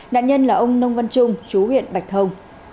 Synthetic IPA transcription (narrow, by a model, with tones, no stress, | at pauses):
na̰ː˧˨ɲə˧nlaː˨˩ʔə˧wŋ͡mnə˧wŋ͡mvə˧nt͡ɕʊ˧ŋ͡mt͡ɕu˨˦ɦwḭ˧˨ənɓa˨˩jk̚t̪ʰə˧wŋ͡m